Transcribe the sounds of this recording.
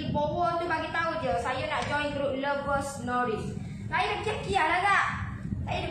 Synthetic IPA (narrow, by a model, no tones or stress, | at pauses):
ibowət̪ubaɡit̪aud͡ʒəsajənaʔd͡ʒɔj̃nt̪ɾuləvəsnɔɾis | ŋajəkəp̚kialaɡaʔ | sajə